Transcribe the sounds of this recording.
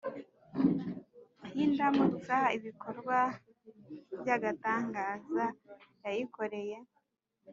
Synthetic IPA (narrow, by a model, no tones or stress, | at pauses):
hindamut͡saiβiko̞ɾɡwa | bjaɡataːŋɡaːzajajiko̞ɾe̞je̞